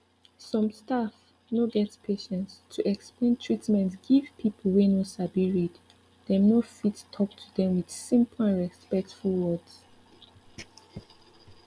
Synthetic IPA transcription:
sɔ̃mstaf | noɡɛtpʰeʃɛ̃ntstʰuʔɛksplẽntʰɹitmɛ̃ntɡ̥iv̥pʰipʰəl̩ˠwenosabiɹid | dɛ̃mnofittʰɔktʰudɛ̃mwid̥sĩmplãnɹɛspɛk̚tfulwɔds

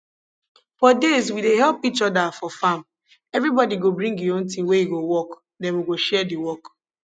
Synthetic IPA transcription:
fɔdezwideɦɛlpit͡ʃɔdafɔfãm | ɛvɾibɔdiɡobɹĩŋɡiõntĩnwejiɡowɔk | dɛ̃nwiɡoʃɛdiwɔk

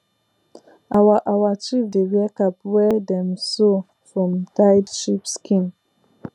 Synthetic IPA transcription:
awaʔawat͡ʃifdewiakapwɛdɛmso | fɹɔ̃mtaɪdʃipskʰĩn

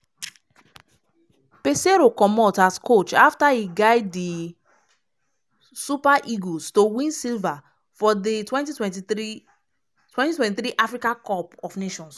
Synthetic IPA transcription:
peseɾokɔmɔtaskot͡ʃaftaiɡaɪdi | supaʔiɡostowĩnsilva | fɔditwɛ̃ntitwɛ̃ti | twɛ̃ntitwɛ̃ntiθɾiʔafɹikãkɔpɔfneʃɔ̃ns

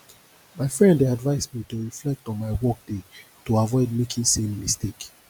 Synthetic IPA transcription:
maɪfɹɛ̃ndeadvaɪsmitoɹiflɛk̚tɔ̃nmaɪwɔk̚de | toavɔɪdmekʰĩnsẽmːistek

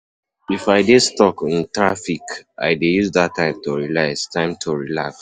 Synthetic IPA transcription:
ifaɪdedstɔkĩntɹafika̰ɪdejuzðatʰːãɪ̃mtoɹilastãɪ̃mtʰoɹilaks

